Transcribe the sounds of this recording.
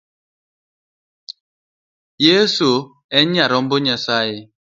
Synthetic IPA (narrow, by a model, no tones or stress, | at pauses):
jesu | ɛɲaɾɔm̩boɲasaje